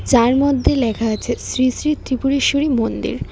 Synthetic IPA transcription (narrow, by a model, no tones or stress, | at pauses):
d͡ʑaɾmod̪ʱːelɛkʰaat͡ɕʰesɾisɾit̪ɾipuɾiʃoɾimond̪ḭɾ